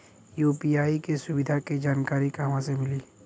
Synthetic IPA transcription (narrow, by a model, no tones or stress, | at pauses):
juːpiaːikesʊbɪd̪ʱaked͡ʒaːnkaːɾikamãsemɪliː